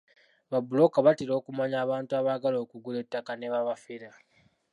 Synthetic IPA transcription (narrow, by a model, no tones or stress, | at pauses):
βabulo̞kaβatiɾo̞ːkumaɲaːβaːntuaβaɡalo̞ːkuɡule̞tːakaneβaβafeɾa